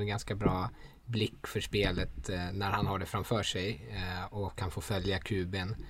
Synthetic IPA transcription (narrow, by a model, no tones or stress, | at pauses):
ɛnɡanskabɾɑː | blɪkːfœʂpeːlət̪næɾhanhaɖɛfɾamfœːʂɛjɔkʰːanfoːfœljakʰʉ̟ːbən